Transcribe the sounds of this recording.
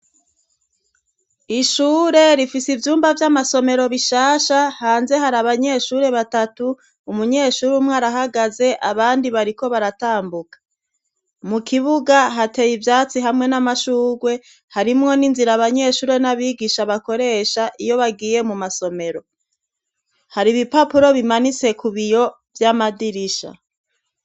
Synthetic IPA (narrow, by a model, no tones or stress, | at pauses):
iʃuːɾe̞ɾifisivjuːmbavjamaso̞me̞ɾo̞βiʃaːʃahaːnze̞ɦaɾaβaɲe̞ʃuːɾe̞βatatuː | muɲe̞ːʃuːɾumŋaːɾaɦaɡaze̞ʔaβaːndiβaɾiko̞βaɾataːmbukḁ | mukʰiβuɡaɦate̞jivjaːt͡siɦamŋe̞namaʃuːɡwe̞ | haɾimŋo̞ninziɾaβaɲe̞ːʃuːɾe̞naβiːɡiʃaβako̞ɾe̞ʃaʔijo̞βaɡiːje̞mumaso̞me̞ɾo̞ | haɾiβipapuɾo̞βimanit͡se̞kuβijo̞ | vjamadiɾiʃa̰